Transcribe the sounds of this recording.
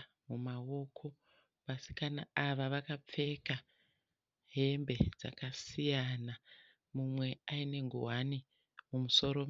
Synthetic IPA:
mumao̞kʰo̞ | ʋasi̥kanaaʋaʋakap͡fe̞ka | ɦe̞mbe̞d͡za̰kasijana | mumwe̞aine̞ŋɡṵɦani | mumuso̞ɾom

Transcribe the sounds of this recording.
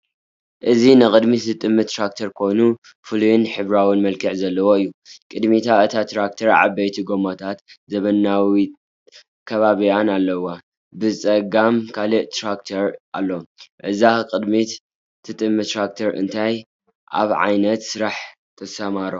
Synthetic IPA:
ʔɨzinɨkʼɨd̪miɨt̪ʼɨmːɨt̪ːɾak̚t̪ʰɐɾkʰo̞jnu | fɨlujunħɨβɾawinmɐlkʰɨʕzɐlːɐwoɨjːukʼɨd̪mit̪ʰaɨt̪ʰat̪ʰɾakt̪ʰɐɾʕa̰bɐjt̪ʰiɡomot̪ʰat̪zɐβɐnːawi | kʰɐβaβijanalːɐwa | bɨt͡sʼɐɡamkʰaliʔt̪ʰɾakt̪ʰɐɾʔa̰lːoʔɨzakʼɨd̪mit | t̪ʰɨt̪ʼɨmːɨt̪ɾak̚t̪ʰɐɾɨ̰nt̪ʰaj | ʔa̰βʕa̰jnɐt̪sɨɾaħ | t̪ʰɐsɐmaɾo

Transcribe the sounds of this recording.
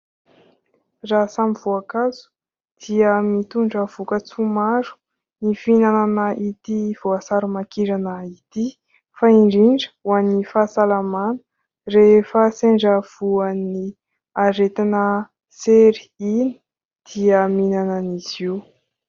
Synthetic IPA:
rasamivoakazu̥ | d̪̥iəmit̪uɳɖ͡ʐəv̥ukət͡sumaɾu̥ | nifinananəʔit̪iv̥oasaɾumakiɾanəit̪i | faiɳɖ͡ʐiɳɖ͡ʐə̥wanːifasalamanə̥ | refəseɳɖ͡ʐəv̥uəni | aɾet̪inə | seɾiini̥ | d̪̥iəminanəniz̥iw

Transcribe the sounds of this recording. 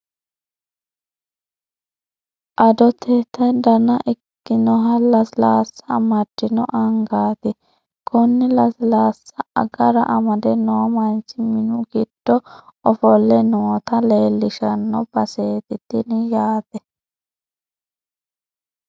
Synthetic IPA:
ʔɐd̪ɔt̪ʰɛt̪ɐd̪ɐnɐʔɪkːɪnɔɦɐlɐslaːsːɐmɐd̪ɪnɔʔɐŋɡaːt̪ɪ | kʰʊnːɪlɐslaːsːɐɐ̰ɡɐɾɐʔɐmɐd̪ɛnoːmɐnt͡ʃːɪmɪnʊɡɪd̪̥ːɔɔfɔlːɛnoːt̪ɐleːlːɪʃɐnːɔb̥ɐseːt̪ɪd̪̥ɪnɪjaːt̪ɛ

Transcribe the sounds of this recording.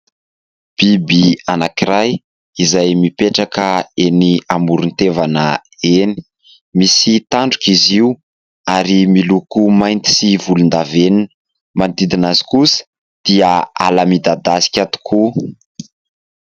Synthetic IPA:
b̥ibianakiɾaj | izajmipeʈ͡ʂakəeniamuɾunt̪evanəeni̥ | misit̪aɳɖ͡ʐu̥kiziu | aɾimilukumajnt̪i̥sivulund̪aveninə | mant̪id̪inazi̥kusə̥ | d̪̥iəa̰lamid̪ad̪asi̥kʲat̪u̥kʰu

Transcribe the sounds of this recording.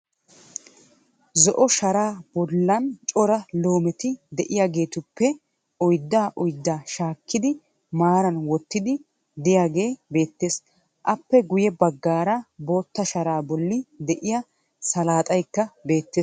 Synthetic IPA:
zɔʔɔʃɐɾaːb̥ɔlːɐnt͡ʃʼɔɾɐloːmɛt̪ɪd̪ɛʔɪjaːɡe̞ːt̪ʊpːɛ | ɔjd̪ːaːʔɔjd̪ːaːʃaːkːɪd̪ɪ | maːɾɐnwɔt̪ːɪd̪ɪ | d̪ɪjaːɡe̞ːbe̞ːt̪ːe̞ːs | ʔɐpːɛɡʊjɛbɐɡːaːɾɐbo̞ːt̪ːɐʃɐɾaːbɔlːɪd̪ɛʔɪja | sɐlaːt̪ʼɐjkːɐbe̞ːt̪ːeːs

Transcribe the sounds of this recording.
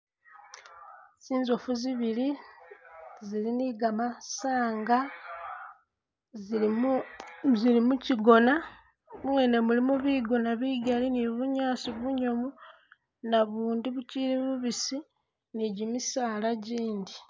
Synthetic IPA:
siːnzo̞fuziβili | ziliniɡamasaːŋɡa | zilimuciɡo̞na | muwene̞mulimuβiɡo̞naβiɡaliniβuɲaːsiβuɲomu | naβuːndiβuciliβuβisi | niɟimisaːlaɟiːndi

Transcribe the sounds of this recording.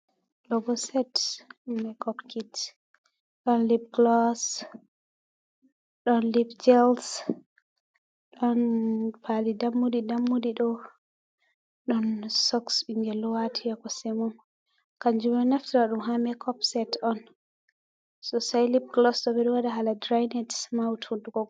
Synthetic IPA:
ɡlɔbɔsɛtɗumːɛkɔpkit | ɗɔnlib̚ɡlɔs | ɗɔnlibd͡ʒɛls | ɗɔnpʰalidamːudidamːudiɗɔ | ɗɔnsɔksiŋɡɛlɔwatʰijakɔsɛmɔm | kaɲd͡ʒumɛnaftiɾaɗumɦamɛkʰɔpsɛtɔn | sɔsajlip̚ɡlɔsɗɔɓɛɗɔwadaɦaladɾajnɛtmawtunduɡɔ

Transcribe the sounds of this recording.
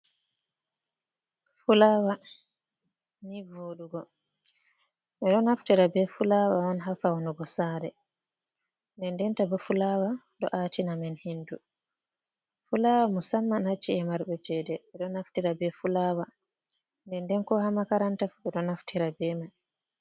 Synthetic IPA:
fulawa | nivoɗuɡɔ | ɓɛɗɔnhaftiɾabɛfulawawanɦafawɔnɔɡɔsaːɾɛ | ndɛndɛntabɔfulawa | ɗɔ̰ʔaːtinamɛnhindu | fulawamusamːanhat͡ʃːiɛmaɾɓɛd͡ʒɛdɛɓɛɗɔnaftiɾabɛfulawa | ndɛndɛnkɔhamakaɾantafuɓɛɗɔnaftiɾabɛman

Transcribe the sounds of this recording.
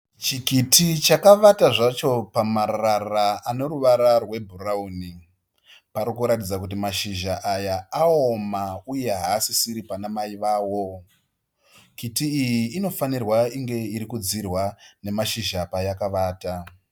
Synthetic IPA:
t͡ʃikitʰit͡ʃakaʋataʐat͡ʃo̞pamaɾararaano̞ɾuʋaɾarwe̞bʱurauni | paɾikuɾatid͡zak̬ut̬imaʃiʒaʔajaaomauje̞ɦaːsisiɾipanamaiʋaːwo̞ | kitiːjiːno̞fanirwaiŋɡe̞iɾikud͡zirwane̞maʃiʒapajakaʋaːta

